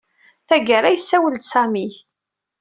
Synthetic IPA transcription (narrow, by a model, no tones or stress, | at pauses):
θæɡəɾæjəsːæwəld̪sæmi